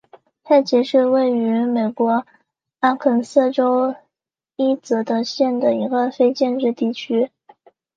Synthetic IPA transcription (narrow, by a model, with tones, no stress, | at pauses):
t̪ʰa˥˩t͡ɕjɛ˧˥ʂɻ̩˥˧we˥˩ɪy˧˥me˨˩ɪkwɔ˧˥ | a˥kʰə˨˩ns̩˥˩ʈ͡ʂo˥ʊ | i˥t͡sɤ˧˥d̪ə˧ɕjɛ˥˩nd̪ə˩i˧˥ɡə˧fe˥ɪt͡ɕjɛ˥˧nʈ͡ʂɻ̩˥˧t̪i˥˩t͡ɕʰy˥